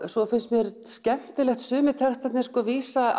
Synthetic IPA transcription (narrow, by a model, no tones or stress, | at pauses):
sɔfɪnsmjɛɾscɛm̥t̪ɪlɛxt̪sʏːmɪt̪ʰɛrst̪ɛt̪nɪskɔːviːsa